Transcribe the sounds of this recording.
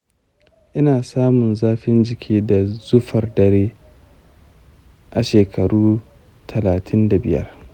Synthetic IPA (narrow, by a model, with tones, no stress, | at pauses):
ʔɪ˦naː˨saː˦mʊ˨nzaː˦ɸɪ˦nd͡ʒɪ˨kʲʰiː˦da˨zʊ˦ɸɐ˨rdɐ˨ɾeː˦ | ʔa˨ʃeː˨kʰɐ˨ɽuː˦ | tʰɐ˨laː˨tʰɪ˦nda˨bɪ˦jɐ̰˦r